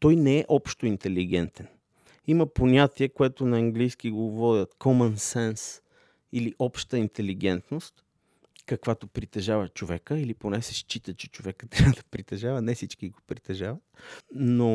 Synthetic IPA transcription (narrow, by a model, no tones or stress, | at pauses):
t̪ɔjnɛɛʔɔpʃt̪oint̪ɛliɡɛnt̪ɛn | iməponʲat̪iɛkoɛt̪onɐːŋɡlijsk̟iɡovɔd̪ʲət̪kʰɔmɐnsɛns | iliʔɔpʃt̪əint̪ɛliɡɛnt̪nost̪ | kɐkvat̪opɾit̪ɛʒavət͡ʃovɛkəiliponɛsɛʃt͡ʃit̪ət͡ʃɛ̥t͡ʃovɛkə̥t̪ːɾʲavəd̪ɐpɾit̪ɛʒavənɛfsit͡ʃkiɡopɾit̪ɛʒavət̪̚no